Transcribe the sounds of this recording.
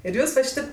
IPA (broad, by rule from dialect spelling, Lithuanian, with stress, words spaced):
ɪr ˈjuːs ʋɐ ˈʃʲiːtʲeːp